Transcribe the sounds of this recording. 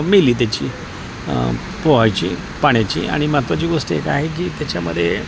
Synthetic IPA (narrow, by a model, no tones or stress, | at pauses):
miliːt̪̬jat͡ɕiː | poʋajt͡ɕḭ | paɳ̃jat͡ɕḭːa̰ɽ̃imat̪ʋat͡ɕiːɡoʂʈieka̰ɦek̬iːt̪jat͡ɕamə̰d̪ʱːje